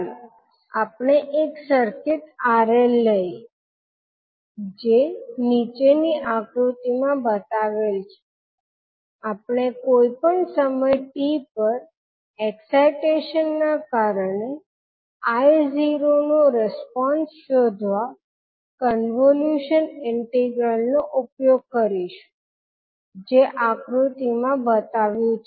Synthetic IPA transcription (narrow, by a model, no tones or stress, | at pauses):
apɳ̃eʔeksəɾkɪt̪aɾelːəj | d͡ʒenit͡ʃeniʔakɾut̪imãbət̪aʋelt͡ʃʰe̥ | apɳ̃ekojpəɳsəməjʈipəɾ | eksajʈeʃənːakaɾəɳe | ajziɾonoɾɪspɔnsʃod̪ʱʋa | kənʋoljuʃənɪɳʈeɡɾəlnoʔupjoɡ̚kəɾiʃu̥ | d͡ʒeʔakɾut̪imãbət̪aʋjũt͡ʃʰe